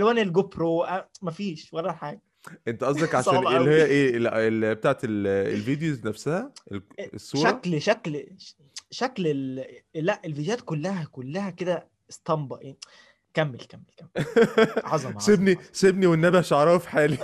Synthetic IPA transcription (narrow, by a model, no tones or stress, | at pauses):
ælwæːnelɡopɾoʔæmæfiːʃwɑɾˤːɑħaːɡæ | ʔent̪æʔɑs̬ˤd̪ekʕaʃæːnelːihejːæʔeːlæʔelbet̪aːʕet̪elḛlviːd̪ejoznæfsæhæelesˤːuʃːɾæɑklʃækl | ʃæklellːæʔelvid̪jæːt̪kolːæhækolːæhæked̪æ | est̪ˤɑmbɑʔe | kæmːḛlkæmːelkæmːe | ʕɑzˤɑsebnisebniwenːæbæʃoʕɾˤɑːofi̥ħaːli